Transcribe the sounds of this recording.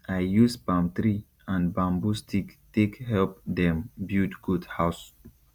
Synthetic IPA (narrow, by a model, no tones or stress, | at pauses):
ajjusbãmt̪ɾi | ãnbãmbustʰiktekhɛlpd̪ɛ̃mbjudɡudhaʊs